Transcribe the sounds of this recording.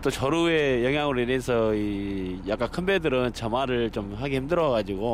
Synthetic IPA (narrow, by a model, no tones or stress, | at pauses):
t͈ot͡ɕʌɾuejʌŋɦjaŋɯɾinesʰʌijak͈ankʰɯnbedɯɾɯnt͡ɕʌmaɾɯɭt͡ɕomhaɡehimdɯɾʌɡad͡ʑiɡo